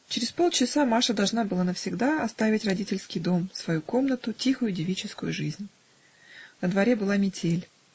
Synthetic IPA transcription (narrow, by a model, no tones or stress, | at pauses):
t͡ɕɪɾʲɪspo̞lˠt͡ɕɪsamaʂəd̪ɐlˠʐnabɨlˠanəfsʲɪɡd̪aɐst̪avʲɪtʲrɐdʲitʲɪlʲskʲɪjd̪o̞msvɐjuko̞mnət̪ʊtʲixʊjʊdʲɪvʲit͡ɕɪskʊjʊʐɨzʲnʲ | nəd̪vɐɾʲebɨlˠamʲɪtʲʰelʲ